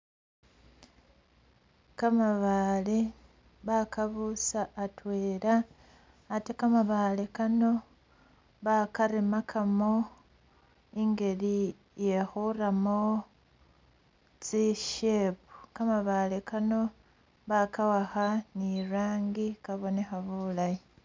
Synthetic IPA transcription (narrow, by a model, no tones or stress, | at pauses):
kamaβale | βakaβusaːtwe̞ːɾaː | tekamaβalekano̞ | βakaɾemakʰamo̞ | iŋɡe̞li | je̞xuramo | t͡siʃepu̥kamaβalekano̞ | βakawaxaniɾaːŋɡikaβo̞ne̞xaβulaji